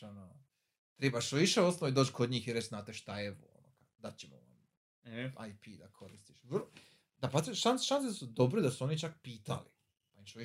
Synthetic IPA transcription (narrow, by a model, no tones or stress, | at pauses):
ano | t̪ɾebaʃʋiʃeosnoid̪oːt͡ʃkʰod̪ɲiːxiɾet͡ʃznaːt̪eʃt̪aeʋṵo̰no̰kad̪at͡ɕemo̰ʋa̰m | ajpiːd̪akʰo̞ɾist̪iʃʋrlo | d̪apat̪ɾʃanʃansesud̪o̞bɾed̪asuo̞nit͡ʃak̚piːt̪a̰lḭ | paimʃoʋi